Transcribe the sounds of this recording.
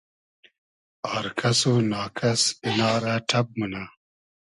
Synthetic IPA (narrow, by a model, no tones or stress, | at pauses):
aːɾkʰɐsonaːkʰɐsinaːɾaːʈʰɐb̚muna